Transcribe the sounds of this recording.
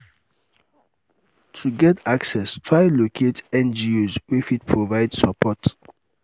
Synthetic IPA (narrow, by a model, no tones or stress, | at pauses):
tʰuɡɛtʰaksɛstʰɹaɪlokʰetɛ̃nd͡ʒiozwifit̚pʰɹovaɪdsəpʰɔt